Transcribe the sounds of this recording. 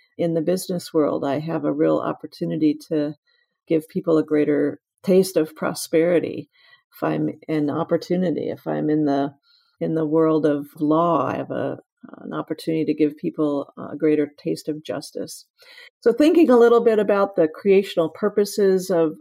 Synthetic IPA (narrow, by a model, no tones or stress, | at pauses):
ɨ̃nðɨbɪznɨswɜ̰˞lˠdaɪɨvəɹilˠɑ̰pə˞tʰʉnɨɾiɾɨ | ɡ̥ɪv̥pʰipl̩ˠəɡɹeɪɾə˞ | tʰeɪstʌv̥pʰɹ̥ɑ̰spɛɹɨɾḭ | ɨfã̰ɪ̃mɨ̃nɑ̰pə˞tʰʉnɨɾḭɨ̰fã̰ɪ̃mɨ̃nðə | ɨ̃nðəwɜ˞lˠdʌv̥vlɔa̰ɪɨvə̰̃ | nɑ̰pə˞tʰʉnɨɾiɾɨɡɪv̥pʰipl̩ˠə̰ɡɹeɪɾə˞tʰeɪstʌvd͡ʒʌ̰stɨ̰s | soʊθɪ̃ŋkɪ̃ŋəlɪɾl̩ˠbɪɾɨbaʊt̪̚ðɨkʰɹ̥ieɪʃnl̩ˠpʰɜ˞pɨsɪzʌv̥